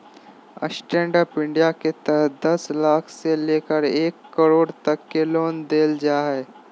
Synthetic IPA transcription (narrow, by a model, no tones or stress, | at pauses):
ə̰sʈɾẽːɳɖəɾpɪ̃ɳɖijaket̪əɦd̪ɐslaːkʰseleːkəɾeːkːəɾoːɽt̪ɐkːeloːnd̪eːld͡ʒaːɦɛː